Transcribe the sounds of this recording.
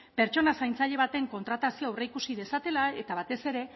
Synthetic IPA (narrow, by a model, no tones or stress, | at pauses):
pe̞ɾt͡ʃo̞nasajnt͡saʎe̞β̞at̪e̞ŋko̞nt̪ɾat̪asioawreikusiðe̞sat̪e̞laet̪aβat̪e̞se̞ɾe̞